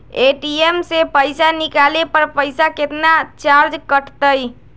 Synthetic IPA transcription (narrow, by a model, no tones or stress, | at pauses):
eʈiemsepəɪsanikalepəɾpəjsaket̪nat͡ʃaɾd͡ʒkəʈʰt̪əj